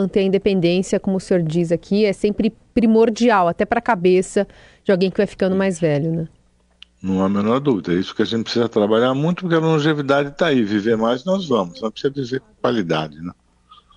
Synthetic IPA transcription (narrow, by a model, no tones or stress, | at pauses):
ɐ̃nt̪ẽɐĩd̪epẽnd̪ẽsiɐkõmʊseoɾd͡ʒizakʰiɛsẽpɾɪpɾimoɾd͡ʒiawat̪ɛpɾɐkabesɐ | d͡ʒɪawɡẽj̃kɪvajfi̥kɐ̃nd̪ʊmajzvɛʎʊnɛ̃ | nɐ̃w̃amẽnɔɾd̪uvid̪ɐɛisʊ̥kɪaʒẽnt͡ʃɪpɾisizɐt̪ɾabaʎaɾmũj̃t̪ʊpʊɾkeɐlõʒevid̪ad͡ʒɪt̪aiviveɾmajznɔzvɐ̃mʊsznɐ̃pɾisizɐd͡ʒviveɾkõkwalid̪a̰d͡ʒɪnɛ̃